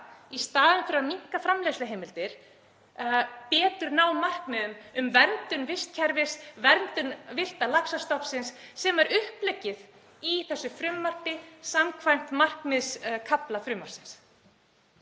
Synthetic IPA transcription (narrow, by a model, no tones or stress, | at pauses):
ist̪aːðʏnfɪɾamiŋ̥kafɾamleslɪɦejmɪlt̪ɪɾ̥ | pɛːt̪ʏɾnawmar̥kmɛðʏmʏmvɛɾnt̪ʏnvɪst̪̚cʰɛɾvɪsvɛɾnt̪ʏnvɪr̥t̪alaksast̪ɔhpsɪnsːɛmaɾʏhplɛcːɪð | iθɛsːʏfɾʏmːar̥pɪsamkʰvajm̥t̪mar̥kmɪðskʰaplafɾʏmːḁsɪns